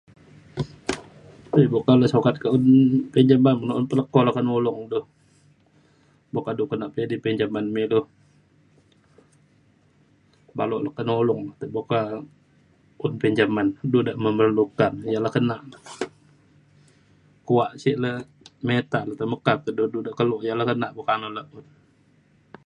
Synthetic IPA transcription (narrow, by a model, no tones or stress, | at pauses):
təbokaləsokat̪̚kaunpɛɲd͡ʒamanmənaʔunpələkɔlakənolɔŋdʊh | bokadukənaʔpiadipɛɲd͡ʒamanmedʊh | baloʔlakənolɔŋlat̪əboka | ʊnpɛɲd͡ʒamandudaʔməmərlukanjalahkənaʔlə | kuaʔsiʔlə | met̪aʔləht̪əməkat̪̚əduhdudaʔkəloʔjalakənaʔbokanoləʔʊn